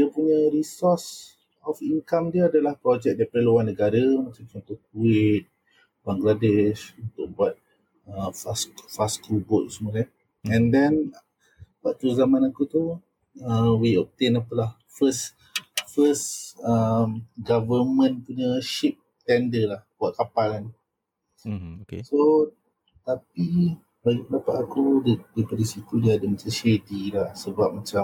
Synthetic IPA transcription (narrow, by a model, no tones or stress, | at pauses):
dəpuɲəɾisɔs | ɔfiŋkamdiəadalahpɾɔd͡ʒɛk̚dapɾəluanːəɡaɾəmãt͡ʃamt͡ʃɔnt̪ɔkuɪt̪̚ | baŋɡladɪʃunt̪ʊk̚buat̪̚ | əfaskfaskubʊt̪̚səməla | ɛ̃ndɛn | baʔt̪uzamãnakut̪u | əwiɔp̚t̪enapəlah | fəs | fəsəmɡavəmə̃npuɲəʃip̚ | t̪ɛndəlahbuaʔkapalan | keso | t̪api | baɡipədapaʔ̪akudədipədisit̪udiadəmat͡ʃamʃedilahsəbap̚mat͡ʃa